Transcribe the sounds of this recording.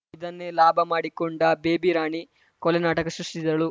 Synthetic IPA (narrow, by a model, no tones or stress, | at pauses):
id̪ɐnːelaːbʱɐmaːɽikɔɳɖɐbeːbiɾaːɳi | kɔlɐnaːʈɐkɐsɾusʈid̪ɐɭu